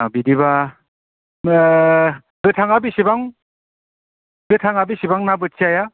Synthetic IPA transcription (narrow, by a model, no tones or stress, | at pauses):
abidiβa | zɯtʰaŋabisibaŋ | zɯtʰaŋabisibaŋnabɯsʰiaja